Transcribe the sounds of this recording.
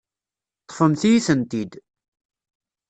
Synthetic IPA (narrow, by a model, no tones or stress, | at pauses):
t̪ˤːfəmθijiθənt̪id̪